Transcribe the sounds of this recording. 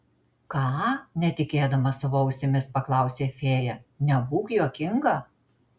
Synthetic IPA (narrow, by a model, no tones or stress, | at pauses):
kɑːnʲɛt̪ʲɪkʲeːd̪ɐmɐsɐʋoːɐʊsʲemʲɪspɐklˠɑˑʊsʲeːfʲeːjɛnʲɛbuːkjuɔkʲɪŋɡɐ